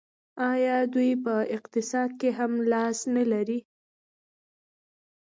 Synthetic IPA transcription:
ɑjɑd̪ujpəɪqt̪ɪsɑd̪̚keɦamlɑsnalaɾi

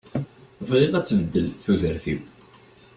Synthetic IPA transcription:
vʁeðˤæt͡sːvəd̪ːəlθuðəɾθiw

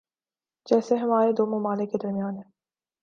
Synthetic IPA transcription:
d͡ʒɛːseɦɐmaːɾed̪oːmɐmaːlɪkːed̪ɐɾmijaːnɦɛ̃ː

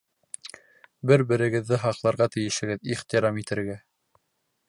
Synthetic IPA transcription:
bɘɾbɘ̆ɾɘ̆ɡɘ̆ðːɘɦɑqlˠɑɾʁɑt̪ɘ̆jɘ̆ʃɘ̆ɡɘðiχt̪iɾɑmit̪ɘ̆ɾɡæ

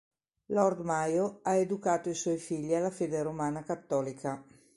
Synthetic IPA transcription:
lɔɾd̪majoaed̪ukaːt̪oiswɔjfiʎːialːafeːd̪eɾomaːnakat̪ːɔːlikʰa

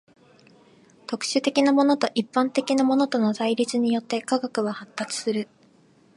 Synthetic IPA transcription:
t̪o̞kɯ̟̥ɕɨt̪e̞kʲinamo̞no̞t̪o̞ʔipːãnt̪e̞kʲinamo̞no̞t̪o̞no̞zaiɾʲit͡sɨɲ̟ijo̞t̪ːe̞kaɡakɯ̟βahat̪ːat͡sɨ̥sɨɾɯ̟

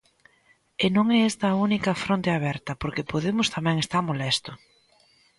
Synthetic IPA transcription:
enõŋɛɛzd̪ɐunikɐfɾõnt̪eaβɛɾt̪ɐpoɾkepoðemʊst̪amɛ̃ŋest̪aɾmolɛst̪ʊ

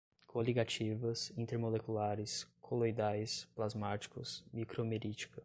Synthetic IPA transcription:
kʰoliɡat͡ʃivɐsĩnt̪eɾmolekulaɾɪskʰolojd̪ajsplazmat͡ʃi̥kʊsmikɾomeɾit͡ʃi̥kɐ

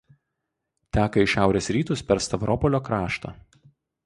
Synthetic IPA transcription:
t̪ʲæːkɐɪʃʲæˑʊɾʲeːsɾʲiːt̪ʊspʲɛɾst̪ɐʋɾʔɔpɔlʲoːkɾɑːʃt̪ɐ̰ː

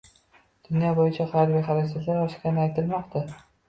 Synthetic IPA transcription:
d̪̥ʊnjɒbojɪt͡ʃʰaχaɾbiχaɾɪsat̪laɾɒʃkʲanɪajt̪ʰɪlmɒqt̪ʰa

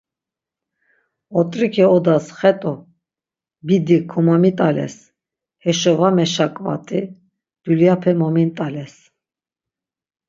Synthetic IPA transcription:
ɔt̪ʼɾikʰɛɔd̪asχɛt̪ʼu | bid̪ikʰɔmamit̪ʼalɛ̰s | hɛʃɔvamɛʃakʼva̰t̪ʼi | d̪̥uljapʰɛmɔmint̪ʼalɛs

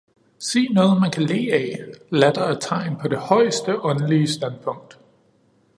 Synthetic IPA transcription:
se̝̰ːnɔ̽ːð̞̩ˠmænkʰæle̝̰ːɛɪlæd̥ɐæt͡sʰɑ̈ɪnpʰɒ̽de̝hɒ̽ɪ̰sd̥əʔɒ̽nəliəsd̥æn̥pʰɔ̽ŋ̰d̥

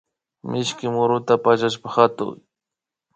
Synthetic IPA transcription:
mɪʃkɪmʊɾʊt̪apaʃaʃ̬paxat̪ʊ̰ŋ

